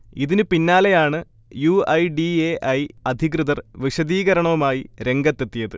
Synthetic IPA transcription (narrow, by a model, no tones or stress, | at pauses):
iðinɨpinːaːlejaːɳɨ | juɐjɖieːʔɐjɐd̪ʱiɣrɨðɐrʋiʂɐðiːɣɐɾɐɳɐʋumaːjiɾe̞ŋɡɐt̪ːe̞t̪ːijɐðɨ